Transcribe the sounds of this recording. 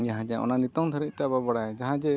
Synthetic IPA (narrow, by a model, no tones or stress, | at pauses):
jaɦãd͡ʒɛʔɔ̰nanit̪ɔŋd̪ʰʱəɾic̚t̪ɛababaɽajd͡ʒaɦãd͡ʒɛ